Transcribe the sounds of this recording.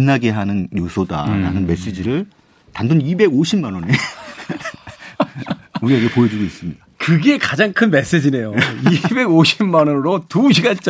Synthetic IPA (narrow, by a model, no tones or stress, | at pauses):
nːaɡe̞ɦanɯnjosʰoda̰ɾa̰nɯnme̞s͈ed͡ʑiɾɯɭ | tandonibe̞ɡoɕʰimmanʌne | uɾieɡepojʌd͡ʑuɡois͈ɯmɲidakɯɡe̞kad͡ʑaŋkʰɯnme̞s͈ed͡ʑine̞joibe̞ɡoɕʰimmanʌnɾotuɕʰiɡant͡ɕ͈